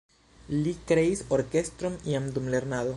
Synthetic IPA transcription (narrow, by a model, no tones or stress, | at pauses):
likɾeisoɾke̞st̪ɾoniamd̪umle̞ɾnado